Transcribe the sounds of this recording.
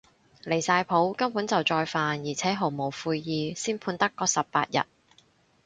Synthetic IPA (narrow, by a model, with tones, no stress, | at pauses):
le˨˩jsaː˧jpʰo˨˥wkɐ˥mpuː˨˥nt͡sɐ˨wt͡sɔː˧jfaː˨njiː˨˩t͡sʰɛː˨˥ɦo˨˩wmo˨˩wfuː˧jjiː˨siː˥npʰuː˧nt̪ɐ˥kːɔː˧sɐ˨p̚ːa̰ː˧t̚jɐ̰˨t̚